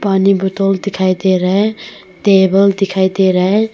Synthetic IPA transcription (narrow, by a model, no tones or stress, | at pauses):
panibɔt̪old̪ikʰajd̪eɾəɦe | t̪eːbəld̪ikʰajd̪eɾəɦe